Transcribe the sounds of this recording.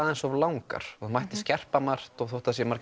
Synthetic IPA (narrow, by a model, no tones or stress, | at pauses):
ðɛnsɔvlawŋka̰ɾ̥ɔmajht̪ɪ̥scɛr̥pamar̥t̪ɔɣθowht̪asjɛmaɾ̥